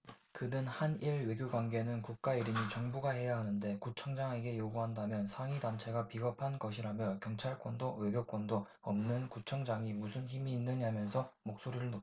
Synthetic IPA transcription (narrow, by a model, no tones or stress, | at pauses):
kɯnɯnhaniɭwe̞ɡʲjoɡwanɡe̞nɯnkuk̚k͈aiɾiɲit͡ɕʌŋbuɡahe̞jaɦanɯnde̞kut͡ɕʰʌŋd͡ʑaŋe̞ɡe̞joɡuɦandamjʌnsʰaŋidant͡ɕʰe̞ɡapiɡʌpʰanɡʌɕʰiɾamjʌkjʌŋt͡ɕʰaɭk͈wʌndowe̞ɡjok͈wʌndo | ʌmnɯnkut͡ɕʰʌŋd͡ʑaŋimusʰunçimiːnːɯɲamjʌnsʰʌmok̚s͈oɾiɾɯɭno